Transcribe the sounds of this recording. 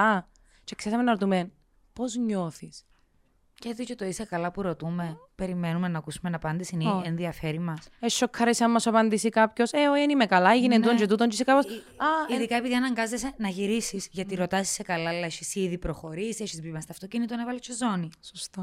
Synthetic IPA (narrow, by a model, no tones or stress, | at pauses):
ɐ | t͡ʃeksesɐmenɐɾot̪umen | po̞zɲo̞θis | cet͡s̪icet̪oisekɐlɐpuɾo̞t̪umepe̞ɾimenumenɐːkusumenɐpɐnd̪isinienðiɐfeɾimɐseʃːokʰːɐɾesɐmmːɐsɐpɐnd̪isikɐpço̞seoiɐnimekɐlɐiʝinieut̪oɲd͡ʒet̪ut̪oɲd͡ʒisekɐpos | ɐiðikɐepiðiɐnɐŋɡɐzesenɐʝiɾisisʝɐt̪iɾot̪ɐsi̥sekɐlɐelːɐeʃisiðipɾoxo̞ɾisieʃizbipimɐst̪ɐft̪ocinit̪onɐvɐlit͡ʃʰezonisost̪o